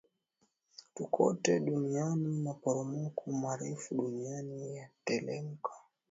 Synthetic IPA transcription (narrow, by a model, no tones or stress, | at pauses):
tukʰɔtɛɗunianimapɔɾɔmɔkʰumaɾɛfuɗunianijatɛlɛŋka